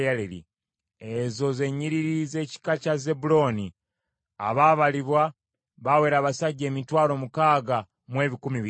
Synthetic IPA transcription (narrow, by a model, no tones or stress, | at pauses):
jalelḭ | ezo̞ze̞ɲiɾiɾize̞ːci̥kacaze̞bulo̞ni | a̰βaβaliβwa | βawe̞ːɾaːβasaɟːe̞ːmitwaːlo̞mukaːɡa | mwe̞ːβikumiβi